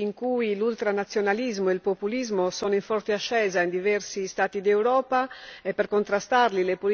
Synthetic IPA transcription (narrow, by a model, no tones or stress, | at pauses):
iŋkuilult̪ɾanat̪sːjonalizmoeilpopulizmosɔːnoiɱfɔrt̪eaʃːɛːzaind̪ivɛrsist̪aːt̪id̪ewɾɔːpaɛpːɛrkont̪ɾast̪arlilepol